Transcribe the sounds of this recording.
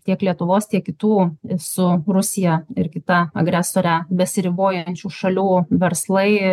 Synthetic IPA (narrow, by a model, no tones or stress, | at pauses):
t̪ʲiɛklʲiɛt̪ʊʋoːst̪ʲiɛkkʲɪt̪uːsʊɾʊsʲɪjɛɪɾkʲɪt̪ɐɐ̰ɡɾʲæsoːɾʲæbʲɛsʲɪɾʲɪboːjɛnʲt͡ʃʲuːʃɐlʲuːʋʲɛɾslˠɐɪ